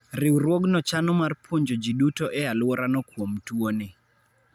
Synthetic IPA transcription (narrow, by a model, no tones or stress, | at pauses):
ɾɪwɾwoɡnɔt͡ʃanɔmarpwoɲd͡ʒod͡ʒiɗutoʔɛalwɔɾanɔkwomtwone